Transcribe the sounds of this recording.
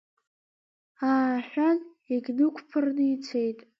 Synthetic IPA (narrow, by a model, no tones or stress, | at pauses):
aːħʷᶣan | iɡʲnɨkʷʰʼpʰɨrnɨit͡sʰe̞jtʼ